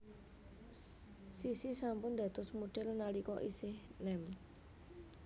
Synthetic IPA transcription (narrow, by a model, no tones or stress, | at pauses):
sisisampʊnd̪a̤t̪ʊsmuɖ̥ɛlnalikɔʔisɪhnɛm